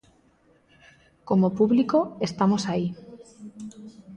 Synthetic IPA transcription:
komopuβlikoest̪amosai

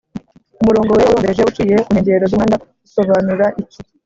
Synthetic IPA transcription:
umuɾo̞ːŋɡoweuɾoːdeʒeut͡ʃiːje̞ʔueɲɟe̞ɾozuŋaːnda | uso̞βanuɾaʔici

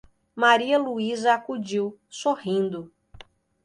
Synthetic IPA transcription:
maɾiɐluizɐakud͡ʒiwsohĩnd̪ʊ

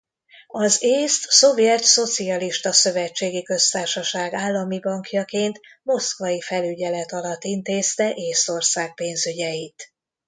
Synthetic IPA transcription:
ɒzeːst̪so̞vjɛt̪so̞t̪siɒliʃt̪ɒsø̞vɛt͡ʃːeːɡikø̞st̪aːrʃɒʃaːɡaːlːɒmibɒŋkjɒkeːnt̪ | mo̞skvɒjifɛlyɟɛlɛt̪ɒlɒt̪ːint̪eːst̪ɛʔeːst̪o̞rsaːk̚peːnzyɟɛjit̪

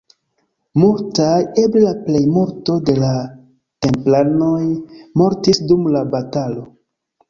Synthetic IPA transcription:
multaje̞blelaple̞jmoɾto̞de̞la | te̞mplano̞jmo̞ɾtisdumlabatalo̞

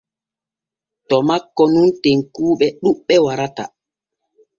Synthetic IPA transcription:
tɔmakːɔnunteŋkuːɓɛɗuɓːɛwaɾata̰

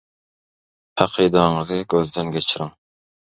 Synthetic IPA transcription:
hæqʰid̪ɑɴəzɨɡʲøzd̪ɪnɡʲɛt͡ʃʰɾɪŋ

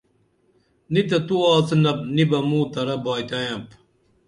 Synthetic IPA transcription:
nit̪ɐt̪uaːt͡sɨnɐp̚nibɐmuːt̪ɐɾɐbaːjt̪ɐjɐ̃p

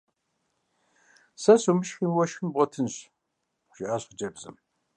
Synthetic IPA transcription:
sɐɕumɨʃxiːmwɔʃxɨmbʁɔtʰɨnɕ | ʒ̥iʔaːɕəd͡ʒʼɐbzɨ̰m

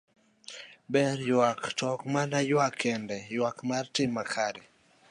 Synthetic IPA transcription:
bɛɾjwaktʰɔkmanajwakʰːɛndɛjwakmartɪmːakʰaɾɛ

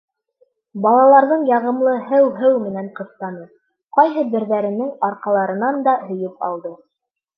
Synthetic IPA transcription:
bɑlˠɑlˠɑɾðɤɴjɑʁɤ̆mlˠɤɦɘwɦɘwmɘ̆næɴqɤ̆st̪ɑnɤ | qɑjɦɤbɘ̆ɾðæɾɘ̆nɘŋɑɾqɑlˠɑɾɤ̆nɑnd̪ɑɦɵ̆jɘp̚ɑ̰lˠd̪ɤ

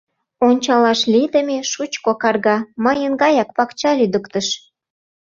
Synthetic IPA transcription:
onʲt͡ɕɑlɑʃlid̪ə̆mʲeʃut͡ɕkokɑrɣɑməjənɡɑjɑk̚pɑkt͡ɕɑlyd̪ə̆kt̪əʃ

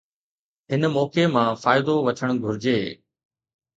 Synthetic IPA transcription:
ɦɪnəmɔːkemãːfaːɪd̪oʋɐt͡ɕʰəɽ̃ɡʱʊɾɪd͡ʑeː

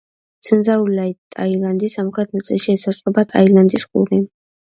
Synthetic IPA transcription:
t̪sʰənzaulajt̪ʼa̰jland̪isamuχʰɾɛt̪ʰnat̪sʼɛ̰lʃiɛsasʼɔbat̪ʼajland̪isqʼṵɾi

